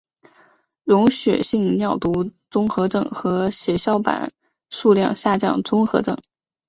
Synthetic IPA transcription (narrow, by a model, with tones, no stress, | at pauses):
ɻʊ˧˥ŋɕɥɛ̰˨˩ɕi˥˧ŋnjɑ˥˩ʊt̪u˧˥t͡sʊ˥ŋxɤ˧˥ʈ͡ʂɤ˥˩ŋxɤ˧˥ɕjɛ˧˥ɕjɑ˥ʊpa̰˨˩˦n | ʂu˥˧ljɑ̰˥˧ŋɕja˥˧t͡ɕjɑ̰˥˩ŋt͡sʊ˥ŋxɤ˧˥ʈ͡ʂɤ˥˩ŋ